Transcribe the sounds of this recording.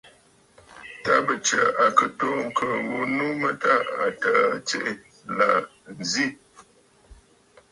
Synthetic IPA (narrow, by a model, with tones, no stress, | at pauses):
ta˦bə˨t͡ʃə̰˨a˨kə˨to˦ŋ̩˨kʰə˨ŋ˨ɡu˦nu˦mə˦ta˦a̰˨ta˨t͡ʃe˦ʔe˨ | la˨ | n̩˨zi˦˨